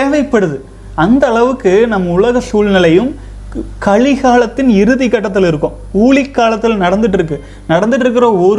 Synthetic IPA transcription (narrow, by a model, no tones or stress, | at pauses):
eːʋɐɪpːɐɽɯðɯ | ɐnd̪ɐːɭɐʋɯkːɯnɐmːɐʊɭɐɣɐsuːɭnɪlɐjɯm | kɐɭɪɣaːlɐt̪ːɪnɪɾɯðɪkːɐʈːɐt̪̬ːɪlɪɾɯkːʊ̃m | uːɭɪkːaːlɐt̪ːɪlnɐɽɐnd̪ɯʈ̬ːɪɾɯk̬ːɯ | nɐɽɐnd̪ɯʈːɪɾɯk̬ːɪɾɐɔɾ